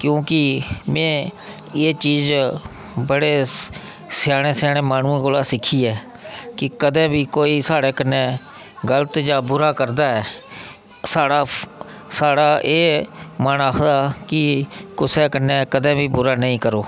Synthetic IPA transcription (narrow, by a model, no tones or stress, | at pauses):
kjõːkɪmɛ̃ː | eːt͡ʃiːz | bəɽeː | sjaːɽ̃eːsaːɽ̃eːmaːñũːẽːkoːlaːsɪkʰiːɛː | kɪkəd̪ɛ̃ːbiːkoːiːsaːɽeːkənːeː | ɡələt̪d͡ʒaːbʊɾaːkəɾd̪aːɛː | saːɽaː | saːɽaːʔeːmənaːkʰd̪aːkɪkʊsɛːkənːẽːkəd̪ɛ̃ːbiːbʊɾaːnəĩːkəɾoː